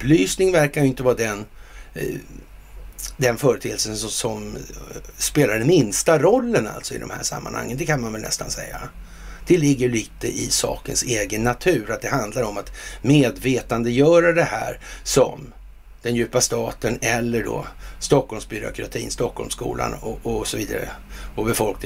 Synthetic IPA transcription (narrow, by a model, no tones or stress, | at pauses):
ɵpːlyːsnɪŋvæɾkaɾjɵɪnt̪əvɑːd̪ɛn | d̪ɛnfœːɾət̪ʰeːəlsənsɔsɔm | speːlaɖɛnmɪnst̪aɾɔlːəna̰lt̪sɔɪ̰d̪ɔ̰mhæ̰ːʂa̰mːa̰nha̰ŋːənd̪ɛkʰanmanvɛlnɛ̰st̪a̰nsɛ̰jːa | d̪̥ɛlɪɡːəɭiːt̪əʔɪ̰sɑ̰ːkənseːɡənːat̪ʰʉ̟ːɾat̪̚d̪ɛɦand̪laɾɔmat̪meːd̪veːt̪and̪əjœːɾad̪ɛhæ̰ːɾsɔ̰m | d̪̥ɛnjʉ̟ːpast̪ɑːt̪ənɛlːəɖɔ̰st̪ɔkːɔlmsbʏɾʊ̰kʰɾa̰t̪ʰḭːnst̪ɔkʰːɔ̰lmskṵːla̰nɔɔsɔviːd̪a̰ɾə̰ɔbɛfɔlk̚nɪ